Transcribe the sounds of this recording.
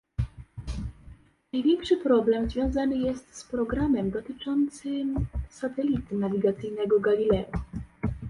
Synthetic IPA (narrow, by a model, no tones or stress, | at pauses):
najvʲjɛŋkʂɘpɾɔblɛmzvʲjɔ̃w̃zanɘjɛst̪spɾɔɡɾamɛmd̪ɔt̪ɘt͡ʂɔnt̪sɘmsat̪ɛlʲit̪ɘnavʲiɡat̪sɘjnɛɡɔɡalʲilɛu